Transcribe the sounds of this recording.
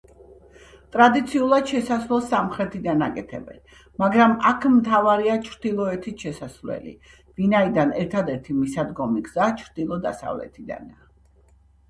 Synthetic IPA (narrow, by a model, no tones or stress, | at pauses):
t̪ʼɾad̪it̪sʰiulˠad̪̥ʃɛsasvlɛlˠsamχɾɛt̪ʰid̪anakʼɛt̪ʰɛ̰bɛ̰n | maɡɾamakʰmt̪ʰavaɾiat͡ʃʰɾd̪̥ilˠɔɛt̪ʰiʃɛsasvlɛ̰lḭ | vinaid̪anɛɾt̪ʰad̪ɛɾt̪ʰimisad̪ɡɔmiɡz̥at͡ʃʰɾd̪̥ilˠɔd̪a̰sa̰vlɛ̰t̪ʰid̪a̰na